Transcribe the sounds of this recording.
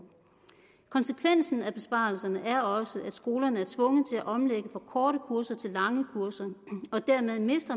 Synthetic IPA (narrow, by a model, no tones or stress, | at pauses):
kʰɒ̽nsəkʰʋen̰sn̩æb̥e̝sb̥ɑ̰̈ːl̩sɐnəʔæɐɒ̽səʔæd̥sɡ̥o̝ːlɐnəæɐt͡sʰʋɔ̽ŋəð̩ˠt͡sʰe̝læʔɒ̽mleɡ̥əfɒ̽kʰɒːɾəkʰuɐsɐt͡sʰe̝lːɑ̈ŋəkʰuɐsɐɒ̽d̥æɐmeðˠme̝sd̥ʁɐ